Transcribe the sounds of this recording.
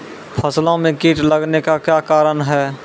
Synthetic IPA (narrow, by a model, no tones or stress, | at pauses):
pʰəslõmẽkiːʈləɡnekakjaːkaːɾənɦɛː